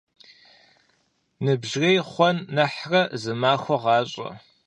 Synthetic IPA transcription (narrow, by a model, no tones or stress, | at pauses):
nɨbʒrejχʷɔnːɐħrɐzɨmaːxʷɔʁɑːɕʼɐ̰